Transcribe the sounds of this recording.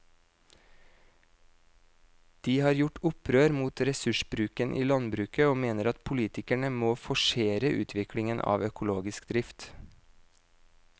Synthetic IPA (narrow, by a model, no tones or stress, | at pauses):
d̪̥iːhɑːɾjʊʈʊpʰɾøːɾmuːt̪ɾɛsʉʃbɾʉːkənʔiːlɑnbɾʉːkəoːmeːnəɾɑt̪pʰʊliːt̪ɪkæɳəmoːfɔʃeːɾəʔʉːt̪ʰʋɪkʰlɪŋənʔɑ̰ːʋœkʊloːɡɪskd̪ɾɪft̪